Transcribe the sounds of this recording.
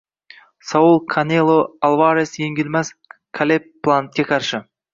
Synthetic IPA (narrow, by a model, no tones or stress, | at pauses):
saulˠkʰanʲelˠoalˠvaɾesjeŋɡʲɪlmaskʰalʲepːlˠant̪̚kʲekʰɑɾʃɪ